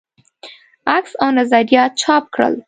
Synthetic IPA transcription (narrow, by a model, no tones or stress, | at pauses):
aksawnazɑd̪ijɑt̪̚t͡ʃʰɑp̚kɽə̰l